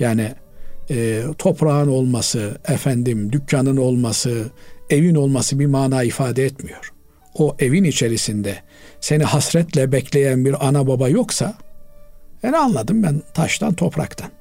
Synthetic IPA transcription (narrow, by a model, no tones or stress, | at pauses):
jaːniː | t̪ʰo̞pʰɾaɯno̞lˠmasɯɛfænd̪imd̪ycʰːanɯno̞lˠmasɯe̞vino̞lˠmasɯbimaːnaːifaːd̪ɛɛt̪mijo̞ɾ̥ | oʔe̞vinit͡ʃʰe̞ɾisind̪ɛ | se̞nihasɾɛt̪lʲɛbɛcʰlʲe̞jænbiɾanababajo̞ksa | henianlˠad̪ɯmbænt̪ʰaʃt̪ʰa̰nt̪ʰo̞pɾa̰kt̪ʰan